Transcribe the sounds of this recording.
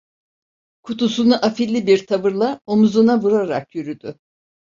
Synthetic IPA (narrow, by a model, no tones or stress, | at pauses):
kʰut̪usunuʔafilʲːibiɾt̪ʰavɯɾlˠaomuzunabuɾaɾa̰kjyɾyd̪̥ʏ